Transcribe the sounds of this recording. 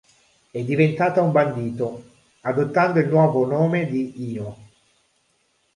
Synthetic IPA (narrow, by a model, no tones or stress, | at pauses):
ɛd̪ːivent̪aːt̪aumband̪iːt̪o | ad̪ot̪ːand̪oilnwɔːvonoːmed̪iiːo